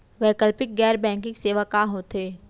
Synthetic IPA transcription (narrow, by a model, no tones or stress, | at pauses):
ʋɛːkəlpɪk̚ɡɛːɾbɛ̃ːŋkɪ̃ŋkseːʋakaɦoːt̪eː